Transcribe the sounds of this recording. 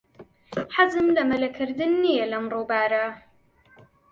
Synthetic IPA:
ħazɨmlɐmɐlɐkʰɨɾd̪ɨnːijɛlɐmroːbaːɾɐ

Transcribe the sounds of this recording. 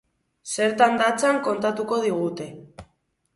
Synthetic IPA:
se̞ɾt̪and̪at͡saŋko̞nt̪at̪uko̞ð̞iɣut̪e̞

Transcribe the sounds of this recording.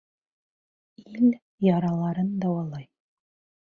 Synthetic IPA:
il | jɑɾɑlˠɑɾɤnd̪ɑwɑlˠɑj

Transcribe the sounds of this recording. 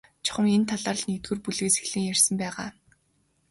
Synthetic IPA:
t͡ɕʰɔ̥χə̆ment̪ʰaɮaːɮnit̪ɡɘ̆rpuɮɘ̆kse̥xɮĭːŋjærʲsə̆mpæːʁaː

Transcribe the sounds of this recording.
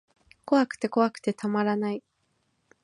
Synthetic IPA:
ko̞βakɯ̥t̪e̞ko̞βakɯ̥t̪e̞t̪amaɾanai

